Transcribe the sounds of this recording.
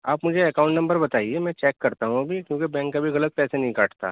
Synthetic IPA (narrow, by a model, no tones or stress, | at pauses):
aːpmʊd͡ʒʱeekaːʊ̃ɳʈnɐ̃mbəɾbɐt̪aːiemɛ̃ːt͡ʃɛːkːɐɾt̪aɦũbʱikjõːkebɛ̃ːŋkːabʱiɣɐlət̪̚pɛːsenɐɦĩkaːʈt̪a̰ː